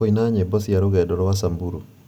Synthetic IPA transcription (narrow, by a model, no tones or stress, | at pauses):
ɔinaɲebɔsijaɾoɡɛdɔɾɔwasambuɾu